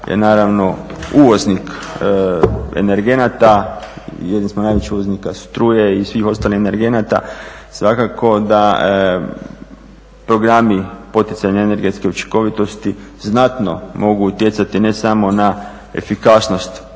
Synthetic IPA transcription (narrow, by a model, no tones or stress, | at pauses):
jḛnaːɾaʋno̞uʋo̞znik | ḛne̞ɾɡe̞nat̪a | jed̪nismonajʋet͡ɕiuʋoznikasu̥t̪ɾuːjeisʋiːxo̞st̪aːlihene̞ɾɡe̞nat̪a̰ | sʋakakʰo̞d̪a | pɾo̞ɡɾamipo̞t̪it̪saɲaene̞ɾɡe̞t̪ske̞ut͡ʃi̥ŋko̞ʋit̪o̞st̪iznat̪nomo̞ɡuːt̪jet̪sat̪ine̞samo̞na | e̞̰fikasno̞st̪